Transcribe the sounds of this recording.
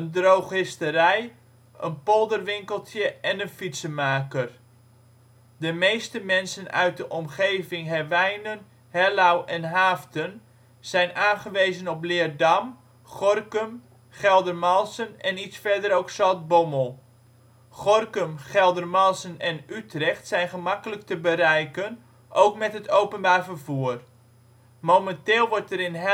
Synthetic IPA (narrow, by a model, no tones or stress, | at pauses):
əndrowχhɪstəɾɛj | ʔənpɔlˠdərʋɪŋkəlˠtʰjəɛnənfitsəmaːkər | dəmejstəmɛnsənœ̰ɥt̚dəʔɔmχejvɪŋɦɛrʋɛjnən | hɛlawʔɛnɦaːftən | z̥ɛjnaːnχəʋejzənɔp̬lɪːrdɑm | χɔrkəm | χɛlˠdərmɑlˠsənɛnitsfɛɹdəɾowksɔlt̚bɔməlˠ | χɔrkəmχɛlˠdərmɑlˠsənɛnytrɛχtsɛjnχəmakələk̚təbəɾɛjkən | ʔowkmɛtɦətʰowpənbaːrvərvuːər | mowmɛnteːlˠʋɔɹtəɾɪnɦ